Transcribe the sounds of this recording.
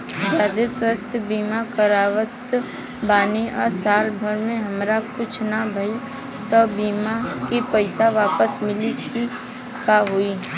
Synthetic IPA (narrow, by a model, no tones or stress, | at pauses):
d͡ʒaːd̪eswəst̪ʰbiːmakəɾaːʋət̪ | baːniɔ̰ːɾsaːlbʱəɾmẽɦəmɾakʊt͡ʃʰnabʱəi | t̪ɔbiːmakipəɪsaʋaːpəsmɪliki | kaɦui